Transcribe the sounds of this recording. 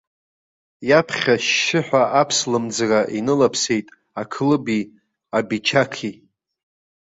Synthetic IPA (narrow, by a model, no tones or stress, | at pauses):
japʰχʲaʃːɪħʷᶣaʔapʰslɨmd͡zraʔinɨlapʰse̞jtʼ | akʰlɨbi | abit͡ʃʰakʰi